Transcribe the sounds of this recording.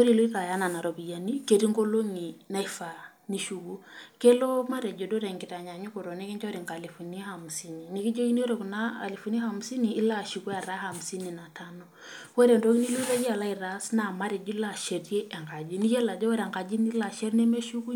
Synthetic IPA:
o˦ɾi˨lu˦i˦ða˨ja˦na˨na˨ɾɔ˨bi˨ja˨ni˦ke˨ɾi˦ŋɡo˦lo˦ŋi˨na˦i˦fa˨ | ni˨ʃu˨ku˦ke˦lɔ˦ma˦ɾɛ˨d͡ʒɔ˨do˦ɾɛ˨ŋɡi˨ta˨ɲa˨ɲu˦ko˨ɾɔ˨nɛ˦kɛ˦ɲt͡ʃa˦ɾi˨ŋka˨li˨fɔ˨ni˦a˦ha˨mu˨si˦ni˨ni˨ki˦d͡ʒo˦ki˦ni˦o˦ɾe˨ku˨na˦a˨li˨fɔ˨ni˦a˦ha˨mu˨si˦niː˨˦la˦ʃi˨ku˦a˨ɾa˦ha˨m˨si˦ni˨na˨ta˦nɔ˨ | wɛ˦ɾɛ˨ndo˦ki˦ni˦lɔ˦i˦ða˦d͡ʒi˦a˨la˦i˨ɾa˦sna˦ma˦ɾɛ˨d͡ʒu˦i˦la˦ʃe˨ɾje˦ʔɛ˨ŋɡa˨d͡ʒi˦ni˦jɛ˦la˨d͡ʒa˦wɛ˦ɾa˨ŋɡa˨d͡ʒi˦ni˦la˨ʃɛ˦ɾnɛ˦me˦ʃu˦ku˦

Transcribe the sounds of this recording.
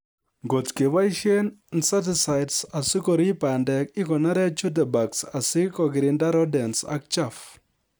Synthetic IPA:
ɡo˨tke˨wa˦i˦ʃe˦nnsa˦t̬ɪ˨sa˨jtsa˨sɪ˦kɔ˨ɾi˦pa˨ndɛ˨k̚ɪ˦kɔ˨na˦ɾɛ˦t͡ʃu˦t̬ɛ˨ba˨ksa˨sɪ˦kɔ˨ɡɪ˨ɾɪ˨nda˦ɾɔ˦dɛ˨nsa̰˦k̚t͡ʃa˦˨f

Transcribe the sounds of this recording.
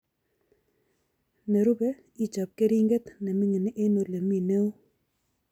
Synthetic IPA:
ne˨ɾu˦be˦ | i˦t͡ʃa˨p̚ke˦ɾi˦ŋɡe˦t̪nɛ˨mɪ˦ŋe˨nɪ˦ʔe˦no˨le˨mi˦˨ne˦o˦

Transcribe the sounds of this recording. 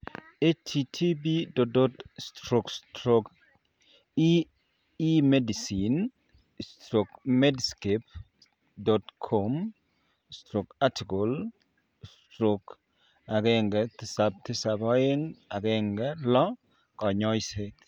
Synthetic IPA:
e˦t͡ʃtʰi˨tʰi˦bi˦do˨do˦t̪stɾo˨kstɾo˨k | i˦ | i˦me˦di˨si˨n | stɾo˨kme˦dske˨p̚ | dɔ˨tkʰo˦m | stɾo˨ka˦ti˨ko˨l | stɾo˨k | a˨ɡɛ˦ŋɡɛ˨t̪ɪ˦sa˨b̚t̪ɪ˦sa˨bɔ˦ɪ˦ŋa˨ɡɛ˦ŋɡɛ˦lɔ˦ | kɔ˨ɲɔ˦jse˦t̪

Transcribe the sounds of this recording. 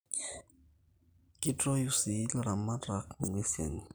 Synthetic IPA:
ki˦tɾɔ˦ju˦si˨˦lɾa˨ma˦dɾa˨˦kŋwe˦sɛ̰˨n

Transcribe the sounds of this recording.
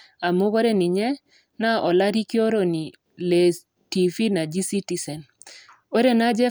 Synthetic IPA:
a˨mʊ˦ɡo˦ɾɛ˦nɪ˨ɲɛ˦ | na˦ʔɔ˨la˦ɾi˦ki˦o˦ɾo˨ni˨ | le˨ | ti˨fi˦na˨d͡ʒi˦si˦ti˦sɛ˨n | o˦ɾe˦na˦d͡ʒɛ˦

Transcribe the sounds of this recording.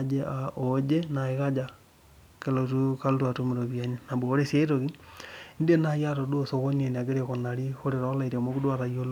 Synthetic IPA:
d͡ʒe˦ao˨d͡ʒe˦na˨eɣad͡ʒa | ke˨lo˨tu˦ka˦ltwa˨to˦meɾo˨βia˦ɲena˨bo˨o˦ɾe˦se˦ɾoɣinde˦na˨ja˦to˨do˦o˦so˨ɣo˦ɲe˨n˨a˨ɡe˦ɾeko˨na˨ɾi˦xo˦ɾe˨ɾɔ˦la˦iɾe˨mo˦ku˦dwata˨jo˦l

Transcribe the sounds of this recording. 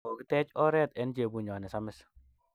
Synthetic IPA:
o˨ki˦tɛ˦t͡ʃɔ˦ɾɛ˦tɛ˦nt͡ʃe˨bu˨ɲɔ˨nɛ˨sa˦mɪ˦s

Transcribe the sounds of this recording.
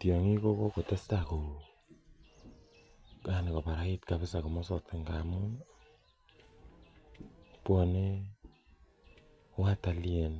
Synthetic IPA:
tjo˨ŋi˦ko˦ko˦ko˨te˦sta˨ko˨ | ka˨ne˨ko˨pa˨ɾa˦i˦tka˨pɪ˦sa˨ko˨mɔ˦sɔ˨tke˦ŋɡa˨mu˦ | pwɔ˨ne˦ | wa˦ta˨lje˨n

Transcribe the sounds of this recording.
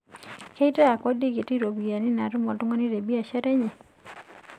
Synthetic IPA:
ke˦i˦ta˦a˨kɔ˦di˦ɡi˨ti˦ɾo˨bi˨a˨nɪ˦na˨ɾu˦mɔ˨tʊ˦ŋɔ˦ni˦ɾe˨bi˦a˨ʃɛ˦ɾɛ˦ɲe˨

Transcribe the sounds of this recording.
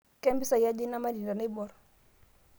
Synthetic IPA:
kɛ˦mbi˦sa˨ja˦d͡ʒi˦na˦ma˦di˨nda˨na˦bɔ˨ɾ

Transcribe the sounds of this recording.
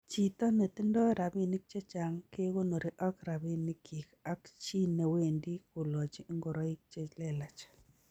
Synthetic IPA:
t͡ʃi˨t̪ɔ˦ne˨t̪i˦ndɔ˦ɾa˨bi˦ni˦k̚t͡ʃe˦t͡ʃa˨ŋke˦ko˦no˨ɾi˨ʔɔ˦kɾa˨bi˦nɪ˦kʰi˨ka˦kt͡ʃi˦ne˨we˦˨ndi˦ku˨lɔ˨t͡ʃi˨˦ŋɡo˨ɾɔ˦i˦k̚t͡ʃe˦t͡ʃlɛ˦la˨t͡ʃḁ˨

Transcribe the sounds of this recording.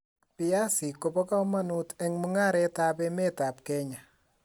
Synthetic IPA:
pɪja˦si˨ko˨pɔ˦ka˦ma˦nutɛŋmuŋa˦ɾɛtapɛme˦ta˨p̚kɛ˦ɲa˨

